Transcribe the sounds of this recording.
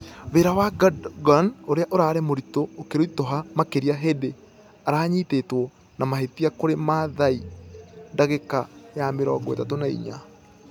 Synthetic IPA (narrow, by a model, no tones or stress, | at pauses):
βeɾawaɡɔdɡanoɾeaʔoɾaːɾɛmoɾitookeɾoitoɦamakeɾiaɦede | aɾahaɲiːteːtwɔ | namaɦetiakoɾemaðaindaɣekajameɾɔɡɔḛtatonaḭɲa̰